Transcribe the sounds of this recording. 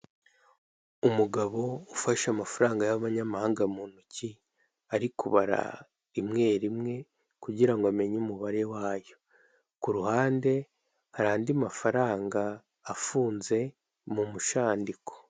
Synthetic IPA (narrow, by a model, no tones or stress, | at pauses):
umuɡaβo̞ufaʃamafaɾaːŋɡajaβaɲamahaːŋɡamuːnuci | aɾikuβaɾa̰ | imŋe̞ːɾimŋe̞ | kuɟiɾaŋɡoame̞ɲumuβaɾe̞waːjo̞ | kuɾuhaːnde̞ | haɾaːndiamafaɾaːŋɡaː | fuːnze̞ | mumuʃaːndiko̞̥